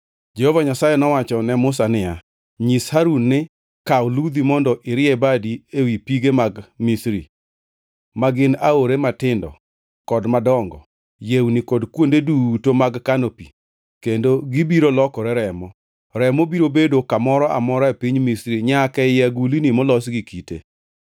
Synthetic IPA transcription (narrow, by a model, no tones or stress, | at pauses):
d͡ʒehovaɲasajenɔwat͡ʃɔnɛmʊs̬anɪja | ɲishaɾunːɪ | kawlud̪imɔndɔʔɪɾɪɛbadiewipiɡemaɡmisɾḭ | maɡɪnaoɾematɪndɔ̰ | kɔdmadɔŋɡɔ̰ | jewnɪkɔdkwondedutomaɡkanopi | kendoɡibiɾolɔkɔɾɛɾɛmɔ | ɾɛmobiɾobedokamɔɾɔʔa̰mɔɾɔepiɲmisɾiɲakɛjɛɡulinimɔlɔsɡikitḛ